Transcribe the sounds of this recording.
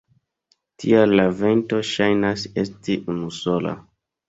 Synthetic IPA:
tʰḭalave̞nto̞ʃajnase̞stiʔunuso̞la̰

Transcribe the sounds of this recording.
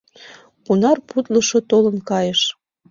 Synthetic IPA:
kunɑrput̪lɤ̆ʃot̪olə̆nkɑjəʃ

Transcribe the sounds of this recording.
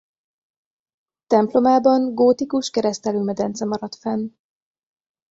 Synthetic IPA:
t̪ɛmplo̞maːbɒŋɡoːt̪ikuʃkɛɾɛst̪ɛlyːmɛd̪ɛnt̪sɛmɒɾɒt̪fɛn

